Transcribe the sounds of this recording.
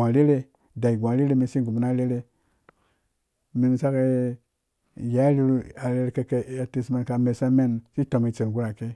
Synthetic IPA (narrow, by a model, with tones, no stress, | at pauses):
a˨ɾe˦ɾe˦ | da˨i˨ɡʷã˨ɾe˦ɾe˦mi˧nsi˦˨ɡu˨m˨na˦ɾe˦ɾe˦ | mi˧n˨sa˦ka˦ | ja˨˦ɾi˦ɾu˦a˨ɾe˦˧ɾke˨ke˨a˨te˨sma˨nka˨me˨sa˦me˦˨nsi˦to˨mi˨t͡se˨n˨ɡu˦ɾa˨ke˦